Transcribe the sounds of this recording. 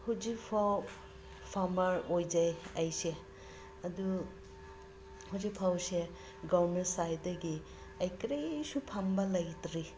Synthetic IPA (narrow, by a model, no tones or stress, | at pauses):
huwzikpʰaw | pʰamɐɾojd͡ʒajajse | ɐdu | huzik̚pʰawse | ɡaɾmentsajdɐɡi | ɐjkɾesupʰambɐlɐjtɾi